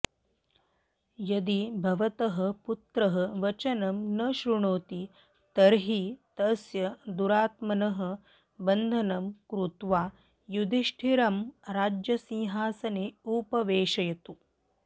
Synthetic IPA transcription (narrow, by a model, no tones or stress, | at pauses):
jɐd̪ibʱɐʋɐt̪ɐɦɐput̪ɾɐɦɐʋɐt͡ʃɐnɐmnɐʃɾuɳoːt̪i | t̪ɐɾɦit̪ɐsjɐd̪uɾaːt̪mɐnɐɦɐ̆ | bɐnd̪ʱɐnɐmkɾut̪ʋaː | jud̪ʱiʂʈʰiɾɐmɾaːd͡ʒjɐsĩɦaːsɐneːupɐʋeːʃɐjɐt̪u